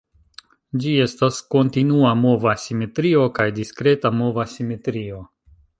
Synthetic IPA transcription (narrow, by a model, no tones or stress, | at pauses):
d͡ʒie̞stasko̞ntinuamo̞vasime̞tɾio̞kajdiskɾe̞tamo̞vasime̞tɾio̞